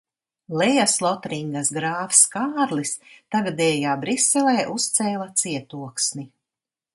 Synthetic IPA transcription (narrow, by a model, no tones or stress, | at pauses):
lɛjaslˠɔt̪ɾiŋɡasɡɾaːfskaːɾlist̪aɡad̪ɛːjaːbɾisɛlɛːʔust̪sɛːlˠat̪siɛt̪uɔksni